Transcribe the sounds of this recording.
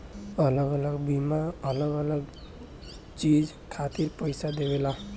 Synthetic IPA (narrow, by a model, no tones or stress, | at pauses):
ʌlʌɡʌlʌɡbimaʌlʌɡʌləɡ | t͡ʃid͡ʒ | kʰat̪iɾpəjsad̪ebela